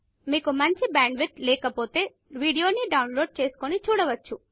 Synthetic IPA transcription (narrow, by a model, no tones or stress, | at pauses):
mikomant͡ʃʰibaːɳɖʋit̪lekɐpot̪e | ʋiɽijoniɖawnloːɖ̚t͡ʃeskonit͡ʃʰuɽɐʋɐtːt͡ʃʰu